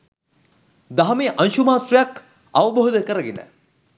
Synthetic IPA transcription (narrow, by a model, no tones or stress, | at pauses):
d̪aɦɐmeʔanʃumaːsrijak | aʋəboɦod̪əkəɾəɡenə̰